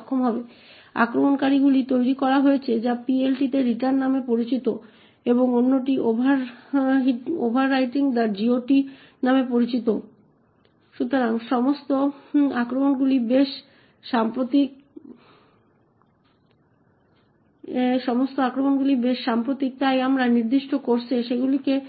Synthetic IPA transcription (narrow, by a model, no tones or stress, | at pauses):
kʰːomɦɔbe | a̰kɾomonkaɾiɡulit̪ojɾikɔɾaɦoet͡ɕʰed͡ʑapielʈit̪eɾiʈaɾnːamepoɾit͡ɕit̪o | eboŋonːoʈ̬iʔobʱaɾɦio̰bʱaɾːajʈiŋd̪aɾd͡ʑioʈi | namepoɾit͡ɕit̪o | ʃut̪oɾaŋʃɔmost̪oakɾomonɡulibeʃː | ampɾot̪ik̚ | ʃɔmost̪oakɾomonɡulibeʃːampɾot̪ik̚t̪ajamɾaniɾd̪iʃʈʰokoɾt͡ɕʰeʃeɡulike